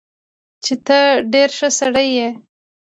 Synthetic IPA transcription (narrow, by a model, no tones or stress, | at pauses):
t͡ʃet̪əɖeɾʃəsaɽəjːe